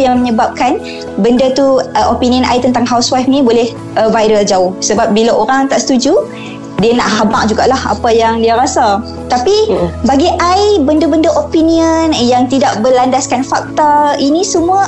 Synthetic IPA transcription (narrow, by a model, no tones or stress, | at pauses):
jaŋməɲəbap̚kan | bəndət̪uəʔopiniənʔajt̪ənt̪aŋɦawswafnĩbolɛh | əvajɾəld͡ʒaʊhsəbap̚bilaʔoɾaŋt̪aʔsə̥t̪ud͡ʒu | dianaʔhama̰ʔ̚d͡ʒuɡa̰ʔlaha̰pajaŋdiaɾasa | t̪apibaɡiʔajbəndəbəndəʔopiniənjaŋt̪idaʔbəlandaskanfak̚t̪ainĩsəmũa